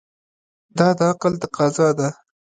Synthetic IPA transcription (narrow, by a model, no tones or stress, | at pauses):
d̪ɑd̪əaqəlt̪aqɑzɑd̪a